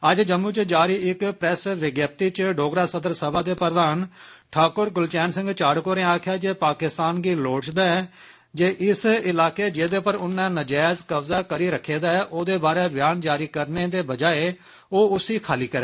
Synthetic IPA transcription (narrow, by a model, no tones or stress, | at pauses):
əd͡ʒd͡ʒəmːuːt͡ʃd͡ʒaːɾiːɪkpɾɛːsʋɪɡjaːb̚t̪iːt͡ʃɖoːɡɾaːsəd̪əɾsəbaːd̪eːpəɾəd̪aːn | ʈʰaːkʊɾɡʊlt͡ʃɛːnsɪ̃ŋɡt͡ʃaːɽkoːɾẽaːkʰjaːd͡ʒeːpaːkɪst̪aːnɡiːloːt͡ʃd̪aːɛː | d͡ʒeːʔɪsɪlaːkeːd͡ʒeːd̪eːpəɾʊnːɛ̃ːnəd͡ʒɛːzkəbzaːkəɾiːɾəkʰːeːd̪aːɛːʔoːd̪eːbaːɾeːbɪjaːnd͡ʒaːɾiːkəɾneːd̪eːbəd͡ʒaːeː | oːʊsiːkʰaːliːkəɾɛː